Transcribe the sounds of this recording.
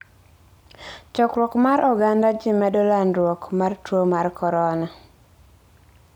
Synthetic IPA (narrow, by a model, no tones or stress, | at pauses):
t͡ʃɔkɾwɔkmaɾʔɔɡandad͡ʒɪmɛdɔlanɾwɔkmartwomarkɔɾɔna